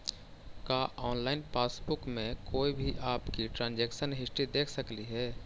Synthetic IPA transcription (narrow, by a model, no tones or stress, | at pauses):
kaːʔɔːnlaːɪnpaːsbʊkmẽkoːibʱiʔaːpkiʈɾãːnd͡ʒeːkʃənɦɪʃʈid̪eːkʰsɐkliɦɛː